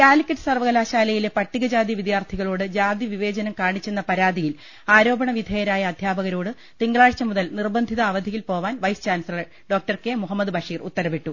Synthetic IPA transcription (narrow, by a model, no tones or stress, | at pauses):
kaːlikʲːɐʈːɨ̥sɐrʋɐɣɐlaːɕaːlɐjile̞pɐʈːiɣɐd͡ʑaːd̪jiʋid̪jaːrt̪ʰiɣɐɭoːɽɨd͡ʑaːd̪jiʋiʋe̞ːd͡ʑɐnɐmkaːɳit͡ɕːenːɐpɐɾaːd̪ijil | aːɾo̞ːbɐɳɐʋid̪ʱeːjɐɾaːjɐːd̪ʱjaːbɐɣɐɾo̞ːɽɨ | t̪iŋɡɭaːɻt͡ɕːɐmuðɐlnirbɐnd̪ʱiðɐːʋɐd̪ʱijilpo̞ːʋaːnʋɐjst͡ɕaːnsɐlɐ | ɖo̞ːk̚ʈɐrkeːmuɦɐmːɐd̪ɨbɐʂiːrut̪ːɐɾɐʋiʈːu